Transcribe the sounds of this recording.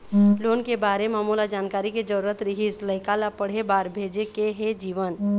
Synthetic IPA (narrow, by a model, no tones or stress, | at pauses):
loːnkebaːɾemaːmuːlad͡ʒaːnkaːɾiked͡ʒəɾuːɾət̪ɾɪɦisləɪkalapəɽ̤ebaːɾbʱeːd͡ʒekeɦed͡ʒiːʋən